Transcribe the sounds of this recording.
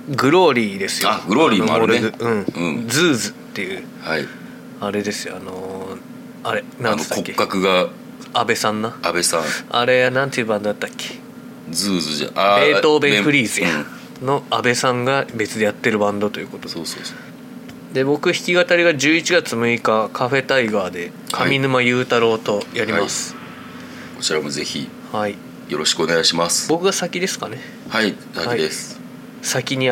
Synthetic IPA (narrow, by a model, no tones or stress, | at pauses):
ɡɯ̟ɾo̞ːɾʲiːd̪e̞sɨ̥jaɡɯ̟ɾoɾʲiːoɾeɯ̟̃ɴɯ̟̃d͡zɨːzɨt̪ːe̞jɯ̟ | hai | aɾe̞d̪e̞sɨjoano̞ | aɾe̞naneskokːekːakɯ̟ɡa | abe̞sãnːaabe̞sãa̰ɾe̞janãnt̪ːiɯbãnd̪od̪at̪ːakʲːe̥ | d͡zɨːzɨʑa̰aeːt̪o̞ːbẽɯ̟ɾʲiːzɨjã | no̞abe̞sãŋɡabe̞t͡sɨd̪e̞jat̪ːe̞ɾɯ̟bãnd̪o̞t̪o̞jiɯ̟ko̞t̪o̞oso | d̪e̞bo̞kɯ̟çi̥kʲiɡat̪aɾʲiɡaʑɨːit͡ɕiɡat͡sɨmɯ̟ikakʰaɸe̞t̪aiɡaːd̪e̞ | kʰamʲinɯ̟majɯ̟ːt̪aɾo̞ːt̪o̞jaɾʲimasɨ̥ | kot͡ɕiɾamoze̞çḭ | hai | jo̞ɾo̞ɕi̥kɯoneɡaiɕimasɨ̥bo̞kɯ̟ɡasakʲid̪e̞sɨ̥kane̞ | hai | saakiid̪es | sakʲiɲ̟i